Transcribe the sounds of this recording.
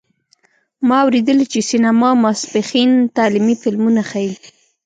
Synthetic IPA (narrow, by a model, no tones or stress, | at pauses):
mɑawɾed̪əlit͡ʃesinamɑmasbexint̪ɑlimifɪlmunaxaji